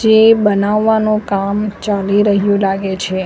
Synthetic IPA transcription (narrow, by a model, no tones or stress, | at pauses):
d͡ʒebənaʋːanõkamt͡ʃaliɾəɦjũlaɡet͡ʃʰe